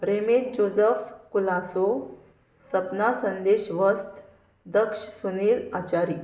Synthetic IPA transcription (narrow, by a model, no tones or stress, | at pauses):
ɾemet̪̚d͡ʑod͡zəfkulaso | səpnasənd̪eɕʋəst̪ | d̪əkʂsuniːlat͡ɕaɾiː